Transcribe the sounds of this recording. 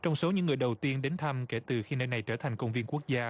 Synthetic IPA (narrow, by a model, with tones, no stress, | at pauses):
t͡ɕɔ˧wŋ͡mso˨˦ɲɨ̰˧˥ŋːɨ˨˩əjɗə˨˩wt̪i˧ənɗe˨˦nt̪ʰa˧mke˧˩t̪ɨ˨˩xi˧nəː˧jna˨˩jt͡ɕəː˧˩t̪ʰa˨˩jŋ̟kə˧wŋ͡mvi˧ənku˦˥ək̚zaː˧